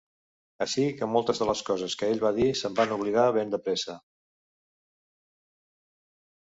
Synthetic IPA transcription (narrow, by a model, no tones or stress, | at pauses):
əʃikəmɔlˠt̪əzðələskɔzəskəeʎβaðisəmbanuβ̞liɣaβend̪əpɾɛsə